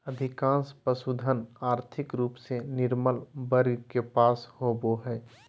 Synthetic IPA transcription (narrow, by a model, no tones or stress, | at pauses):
əd̪ʱɪkãːnspəsud̪ʱənaːɾt̪ʰɪkɾuːpsenɪɾməlbəɾɡkepaːshoboɦɛː